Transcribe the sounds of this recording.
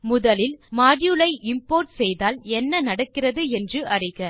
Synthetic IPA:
mʊðɐlɪlmaːɽjulɐɪʔɪmpoːɾʈsɛjðaːlɛnːɐnɐɽɐkːɪrɐðɯɛndrɯʔɐrɪɣɐ

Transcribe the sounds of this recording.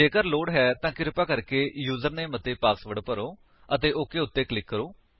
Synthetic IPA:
eːkəɾloːɽɦɛːt̪ãːkɪɾpaːkəɾkeːjuːzəɾnẽːmət̪eːpaːsʋəɽpəɾoː | ət̪eːʔoːkeːʊt̪ːeːklɪkːəɾoː

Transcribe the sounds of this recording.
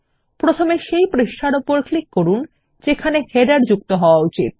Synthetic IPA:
pɾot̪ʰomeʃejpɾiʃʈʰaɾopoɾklikːoɾun | d͡ʑekʰaneheɖaɾd͡ʑuk̚t̪oɦɔoaut͡ɕḭt̪̚

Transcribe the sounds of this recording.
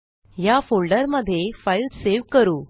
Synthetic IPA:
jafolɖəɾməd̪ʱːjefailɖseʋkəɾuː

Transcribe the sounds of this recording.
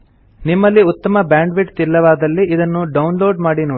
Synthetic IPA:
nimːɐlːiut̪ːɐmɐbaːɳɖʋiʈt̪ilːɐʋaːd̪ɐlːiʔid̪ɐnːuɖɐwnloːɖmaːɽinoː

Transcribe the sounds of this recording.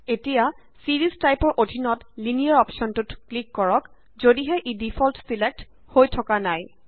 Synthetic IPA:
etija | siɹiztajpɔɹʔodʱinɔtlinijaɹɔpsɔntutklikːɔɹɔk | zodiɦɛʔidipʰɔltsilek̚t | hojtʰɔkanaj

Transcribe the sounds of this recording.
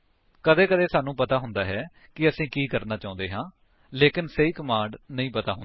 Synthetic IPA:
kəd̪eːkəd̪eːsaːnũːpət̪aːɦʊnd̪aːɦɛː | kɪəsĩːkiːkəɾnaːt͡ʃaːʊ̃nd̪eːɦãː | leːkɪnseiːkəmãːɳɖnəĩːpət̪a̰ːɦʊn

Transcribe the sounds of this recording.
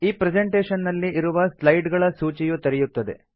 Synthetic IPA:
iːpɾed͡ʒeɳʈeːʃɐnːɐlːiiɾuʋɐslɐjɖɡɐɭɐsuːt͡ʃijut̪ɐɾijut̪ːɐd̪e̞̰

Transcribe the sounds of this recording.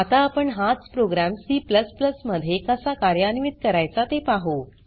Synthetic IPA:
at̪aːpəɳɦãt͡spɾoɡɾamsiːpləspləsməd̪ʱːjekasakaɾjanimit̪̚kəɾajt͡sat̪epaɦo

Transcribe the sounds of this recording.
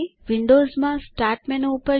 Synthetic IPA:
ʋɪɳɖoːzmãsʈaːɾʈmenupəɾ

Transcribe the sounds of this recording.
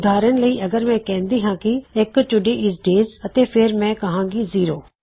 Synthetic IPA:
d̪ʱaːɾənləiːʔɐɡəɾmɛ̃ːkɛ̃ːnd̪iːɦãːkiekt͡ʃʊɖeʔɪzɖeːzɐt̪eːpʰɪɾmɛ̃kɐɦãːɡiziːɾoː

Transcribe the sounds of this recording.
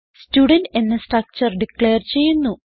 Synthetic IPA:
stuːɖɐnɖenːɐsʈrɐk̚t͡ɕɐrɖikleːrt͡ɕe̞jːunːu

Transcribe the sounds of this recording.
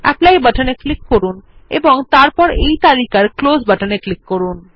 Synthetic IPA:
ɛ̰plajbaʈʰaneklikːoɾunḛboŋt̪aɾpɔɾejt̪aɾikaɾklod͡ʑbaʈaneklikːoɾun

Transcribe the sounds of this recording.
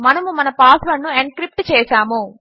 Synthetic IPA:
mɐnɐmumɐnɐpaːslɐnːueɳkɾip̚ʈt͡ʃɛːsaːmu

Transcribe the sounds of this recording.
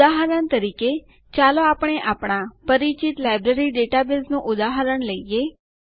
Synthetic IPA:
aɦəɾəɳt̪əɾike | t͡ʃaloapəɳ̃eʔapɳ̃apəɾit͡ʃit̪lajbɾeɾiɖeʈabɪlznũʔʊd̪aɦəɾəɳləije

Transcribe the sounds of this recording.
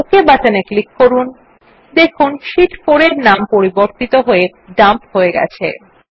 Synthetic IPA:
okebat͡ɕaneklikːoɾun | d̪ekʰunʃiʈfoɾeɾnampoɾiboɾt̪it̪oɦoe | ɖampɦoeɡɛ̰t͡ɕʰḛ

